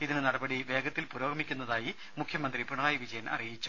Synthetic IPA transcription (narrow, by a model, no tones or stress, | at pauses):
iðinɨnɐɽɐbɐɽiʋe̞ːɡɐt̪ːilpuːɾo̞ːɡʱɐmikʲːunːɐðaːji | mukʰjɐmɐnd̪ripuɳɐaːjiʋid͡ʑɐjɐnʔɐ̰rijit͡ɕːu